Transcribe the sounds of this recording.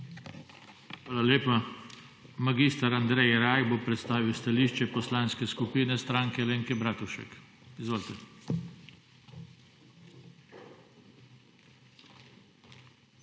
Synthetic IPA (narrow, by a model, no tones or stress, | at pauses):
xʋaːlaleːpa | maɡist̪aɾand̪ɾɛjɾajbopɾɛt̪st̪aːʋiwst̪aliːʃt͡ʃɛpɔslaːnskɛskupiːnɛst̪ɾaːŋkɛleːŋkɛbɾaːt̪uʃɛ̰k | izʋoːlt̪ɛ